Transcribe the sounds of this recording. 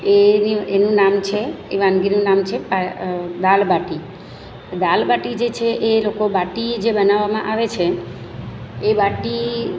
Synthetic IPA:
enienũnamt͡ʃʰeiʋanɡinũnamt͡ʃʰepad̪albaʈi | d̪albaʈid͡ʒet͡ʃʰeʔelokobaʈid͡ʒebənaʋamãʔaʋet͡ʃʰe | baʈi

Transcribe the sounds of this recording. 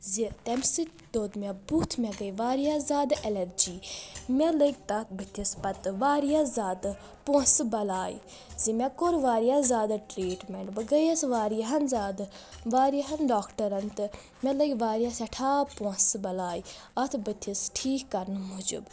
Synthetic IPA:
zit̪ɛmsi | d̪oːd̪mʲɛbut̪ʰmʲɛɡəjʋaːɾijazʲaːd̪ʔɛlɐɾd͡ʒiːmʲɛləɡ̚t̪ɐbɨt̪ʰispɐt̪ɨʋaːɾijazaːd̪ | posɨbɐlaːjḭ | zimʲɛkoɾʋaːɾijazaːd̪aʈɾiːʈmeɳʈbɐɡɐjɐsʋaːɾijɐɦɐnzaːd̪ʋaːɾijɐɦɐnɖaːkʈɐɾɐnt̪ɨ | mʲɛləɡʲʋaːɾijasɐʈʰaːposbɐlaːjiɐt̪ʰbɨt̪ʰisʈʰiːkːɐɾnɨmud͡ʒṵb

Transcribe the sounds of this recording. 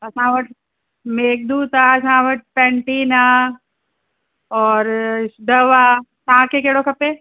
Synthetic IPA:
ɐsãːʋɐʈ̚ʰ | meːk̚d̪uːt̪aɐsãʋəʈ̚ʰpɛ̃ːɳʈiːnaː | ɔːɾsɖəʋaːt̪aãkekeːɽokʰɐpeː

